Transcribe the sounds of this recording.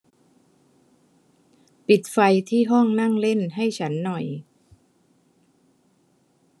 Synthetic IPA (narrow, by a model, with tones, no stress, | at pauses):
pi˨˩t̪̚fa˧jt̪ʰiː˥˩ɦɔ˥˩ŋna˥˩ŋle˥˩nɦa˥˩jt͡ɕʰa˦˥nːɔ˨˩j